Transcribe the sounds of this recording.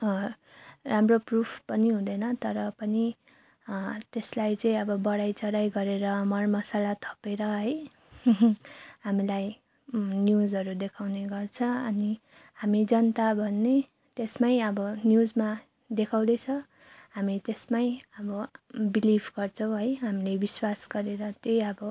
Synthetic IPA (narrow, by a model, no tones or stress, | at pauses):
ramroprupʰpʌniɦũd̪ʌnʌt̪ʌɾʌpʌni | t̪eslajt͡sʌĩʌbʌbʌɽajt͡sʌɾajɡʌɾeɾʌmʌrmʌsalat̪ʰʌ̥peɾʌɦʌj | ɦamilaj | njud͡zɦʌɾud̪ekʰawneɡʌrt͡sʰʌʌni | hamid͡zʌnt̪abʱʌnːe | t̪esmajʌbʌnjud͡zma | d̪ekʰaw̃d̪ʌjt͡sʰʌ̃ | ɦamit̪esmajʌbʌbilibʰʱɡʌrt͡sʰʌw̃ɦʌjɦamilebiswasɡʌɾeɾʌt̪jojʌbʌ